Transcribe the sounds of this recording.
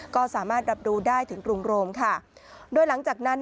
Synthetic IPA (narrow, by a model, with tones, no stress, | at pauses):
kɔː˥˩saː˩˦maː˥˩t̪̚ɾa˧˥p̚duː˧daː˥˩jt̪ʰɯ˩˦ŋkɾu˧ŋɾoː˧mkʰa˥˩doː˧jla˩˦ŋt͡ɕaː˨˩k̚na˦˥n